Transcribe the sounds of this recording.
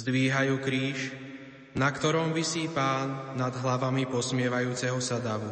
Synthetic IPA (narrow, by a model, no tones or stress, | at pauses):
zd̪ʋiːɦajuːkɾiːʃ | nakt̪ɔɾɔmʋisiːpaːnːad̪ɦlaʋamipɔsmɪɛʋajuːt͡sɛɦɔsad̪aʋu